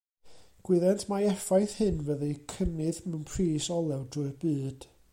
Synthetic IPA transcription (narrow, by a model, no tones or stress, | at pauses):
ɡ̥wɪðɛntʰmaɛfajθhɨnvəðɨkʰənɨðmɛwnpʰriːsɔlˠɛwdrʊɨbɨːd̥